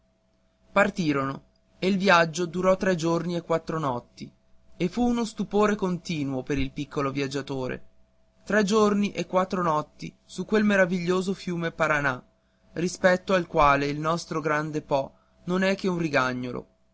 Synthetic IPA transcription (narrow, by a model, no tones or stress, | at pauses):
part̪iːɾono | eilvjad͡ʒːod̪uɾɔt̪ːɾɛd͡ʒorniekːwat̪ːɾonɔt̪ːi | efuːnost̪upoːɾekont̪iːnuopeɾilpikːolovjad͡ʒːat̪oːɾḛ | t̪ɾɛd͡ʒorniʔekːwat̪ːɾonɔt̪ːḭ | sukːwelmeɾaviʎːoːzofjuːmepaɾana | rispɛt̪ːoalkwaːleilnɔst̪ɾoɡɾand̪epɔ | nonɛkːeunriɡaɲːolo̰